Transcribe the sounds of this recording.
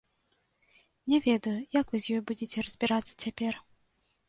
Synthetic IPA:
nʲɛvʲɛd̪ɐjujɐkvɨzʲjɔjbud͡zʲɪt͡sʲɛɾəzʲbʲiɾat̪sːɐ̥t͡sʲapʲɛr

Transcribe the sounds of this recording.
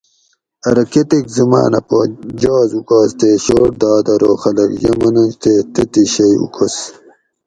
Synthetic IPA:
ɐɾɐket̪ikzima̰ːnɐ̰pod͡ʑaːzukaːst̪eɕoːʈ̚d̪aːd̪ɐɾoxɐlɐkjɐ̰mɐnɐnst̪eːt̪et̪iɕɐjṵkʰɐs

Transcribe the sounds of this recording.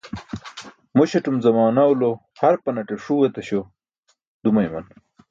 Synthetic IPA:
moɕɐʈumzɐmaːnawlo | hɐɾpɐnɐʈeʂuwet̪ɐɕo | d̪umɐjmɐ̰n

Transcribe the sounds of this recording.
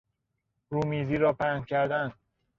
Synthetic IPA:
ɾuːmiːziːɾɒːpæhncʲʰæɾd̪æn

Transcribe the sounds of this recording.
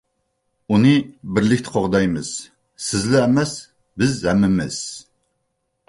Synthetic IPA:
unɨbɪɾlɪkʲt̪ʰɪ̥qʰoʁd̪ɑjmɨ̰z̥ | sɪzlɪːmɛs | bɪzɛmːɪmɪ̰z̥

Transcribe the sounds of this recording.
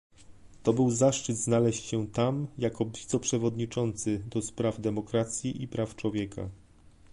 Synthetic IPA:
t̪ɔbɘwzaʂt͡ʂɘd̪znalɛɕt͡ɕɕɛt̪amjakɔvʲit̪sɛpʂɛvɔd̪ɲit͡ʂɔnt̪sɘd̪ɔspɾavd̪ɛmɔkɾat̪sʲjiʔipɾaft͡ʂwɔvʲjɛkʰa̰

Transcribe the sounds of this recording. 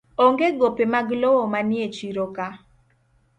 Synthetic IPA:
oŋɡeɡopemaɡlɔwɔmanɪet͡ʃiɾoka

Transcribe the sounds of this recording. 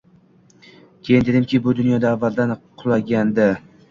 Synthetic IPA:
kʲʰe̞jɪnd̪e̞d̪ɪmkʲʰɪbʊd̪ʊnjɒd̪aːvːald̪anqʰʊlˠaɡʲand̪ɪ

